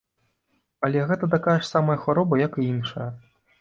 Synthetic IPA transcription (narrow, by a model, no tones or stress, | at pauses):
ɐlʲɛɣɛt̪ɐt̪̬akajɐʂsamɐjɐxvaɾɔbɐjɐkɨinʂɐjɐ